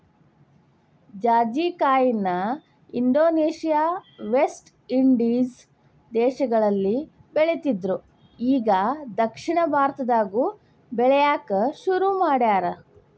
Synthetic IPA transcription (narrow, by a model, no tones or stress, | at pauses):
d͡ʒaːd͡ʒiːkaːjinːɐ | iɳɖoːneːʃijaːʋesʈ | iɳɖis | d̪ɛːʃɐɡɐɭɐlːi | beɭet̪id̪ɾu | iːɡɐd̪ɐkʂiɳɐbʱaːɾt̪ɐd̪aːɡu | bɛɭɛjaːkɐʃuɾumaːɽjaːɾɐ